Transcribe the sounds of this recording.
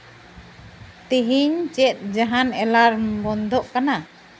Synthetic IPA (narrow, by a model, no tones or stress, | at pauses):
t̪iɦiɲt͡ʃɛt̪̚ˀd͡ʒaɦanɛlaɾbɔnd̪ɔʔkana